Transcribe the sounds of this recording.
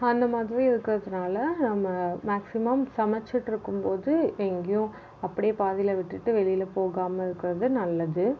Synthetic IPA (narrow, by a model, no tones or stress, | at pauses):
ɐnd̪ɐmaːðɪɾiɪɾɯkːɪɾɐðɯnaːlɐnɐmːɐmaːksɪmɐmsɐmɐt͡ʃːɪʈːɪɾɯkːɯmpoːðɯɛŋɡɐjʊ̃ | ɐpːɐɽɪjeːpaːðɪjɪlɐʋɪʈːɯʈːɯʋɛɭɪjɪlɐpoːɣaːmɐɪɾɯkːɪɾɐðɯnɐlːɐðɯ